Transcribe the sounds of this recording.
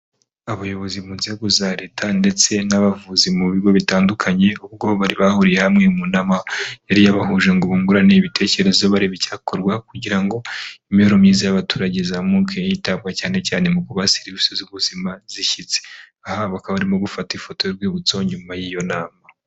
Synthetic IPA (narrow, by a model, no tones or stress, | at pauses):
aβajo̞βo̞zimuːnzieɡuzaɾetʰande̞t͡se̞naβavuzimuβiɡo̞βitaːndukʰaɲe̞uβɡo̞βaɾiβahuɾije̞hamŋemunamajaɾijaβahuʒeŋɡoβuŋɡuɾaneiβitʰe̞ːce̞ɾe̞zoβaɾiβicaːkoɾɡwakuɟiɾaŋɡo̞imijoɾomɲiːzajaβatuːɾaɟezamukʰejjitaβɡacaːne̞caːne̞mukuβaseɾβisozuβuzimaziʃit͡se̥ | ahaβakaβaɾimo̞ɡufatifo̞tojoɾɡwiːβut͡so̞ɲumajijo̞naːma